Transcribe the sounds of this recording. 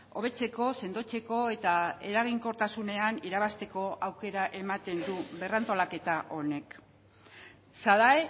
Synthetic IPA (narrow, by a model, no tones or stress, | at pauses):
o̞β̞e̞t͡se̞ko̞se̞nd̪o̞t͡se̞ko̞e̞t̪ae̞ɾaɣ̞iŋko̞ɾt̪asune̞aniɾaβast̪e̞ko̞ʔawke̞ɾaʔe̞mat̪e̞nd̪uβe̞rant̪o̞lake̞t̪aʔo̞ne̞k | saðae